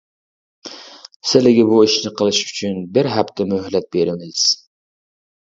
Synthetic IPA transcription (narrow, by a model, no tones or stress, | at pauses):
sɪlɪɡʲɪbuiʃnɪqʰəlˠɨʃyt͡ʃʰynbɪɾɦæpt̪ʰɛmøhlɛt̪̚beɾɪnɪdɪz̥